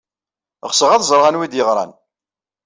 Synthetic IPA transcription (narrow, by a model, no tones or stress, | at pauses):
ʁsəʁɑðzˤɾˤʁanwid̪jəʁɾˤɑ̰n